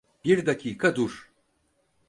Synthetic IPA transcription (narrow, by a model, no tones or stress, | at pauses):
b̥iɾd̪akʰiːkʰad̪uɾ